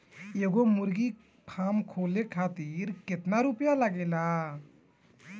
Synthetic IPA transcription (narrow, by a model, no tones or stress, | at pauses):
jeɡomʊɾɡi | pʰaːmkʰoːlekʰaːt̪iɾkɪt̪naɾupjalaɡeːla